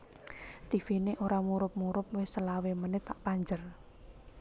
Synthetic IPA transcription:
t̪ifineʔoɾamuɾʊp̚muɾʊp̚wɪhsəlawemənɪt̪ːaʔpaɲd͡ʒər

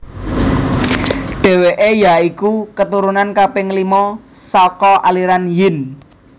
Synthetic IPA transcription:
ɖ̥ɛ̤weʔejaikukət̪uɾunankapɪŋlimɔsɔkɔʔaliɾanjɪn

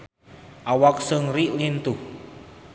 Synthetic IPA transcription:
ʔawak̚səŋriʔlint̪u

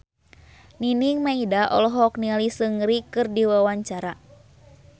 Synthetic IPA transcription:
niniŋmaidaʔɔ̰lɔɦɔk̚nialisɨŋɾikɨrdiwawaɲt͡ʃaɾa

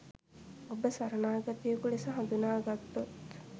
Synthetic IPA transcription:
obəsɐɾɐnaːɡɐt̪ijəkulesəɦand̪unaːɡɐt̪ːot̪

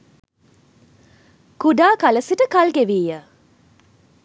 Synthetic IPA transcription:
kuɖaːkaləsiʈəkalɡeʋiːjə

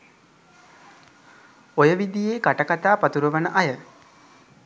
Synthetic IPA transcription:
ojəʋid̪ijeːkaʈəkat̪aːpat̪uɾəʋənəʔajə

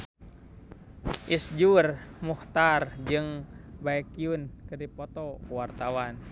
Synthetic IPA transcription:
ʔisd͡ʒurmuht̪ard͡ʒɨŋbaɛkiunkɨrdipɔt̪ɔkuwart̪awan

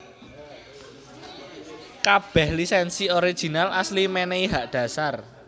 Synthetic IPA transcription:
kab̥ɛ̤hlisɛnsioɾid̥ʒ̥i̤nalʔaslimeneiɦaʔd̪̥ä̤sar

